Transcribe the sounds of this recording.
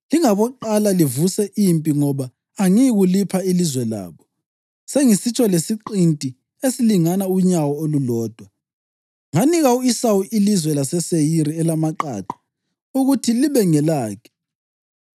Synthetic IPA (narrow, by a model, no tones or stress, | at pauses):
liŋaβɔǃalalivusɛʔimpʼiŋɔβaː | ŋiɣulipʰailizwɛla̰ːβɔ | seŋisit͡ʃʼʰɔlesiǃintʼi | esiliŋanauɲawɔolulɔːd̥ʱwa | ŋaniɣauisawuʔilizwɛlasɛsejiɾiɛlamaǃa̰ːǃḁ | uɣutʰiliβɛŋɛlaːkʰɛ̥